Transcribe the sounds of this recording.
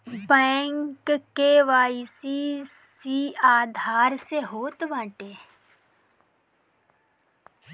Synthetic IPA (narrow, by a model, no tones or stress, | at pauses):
bɛ̃ːŋkkːeʋaːisisiaːd̪ʱaːɾseɦoːt̪ʋãːʈeː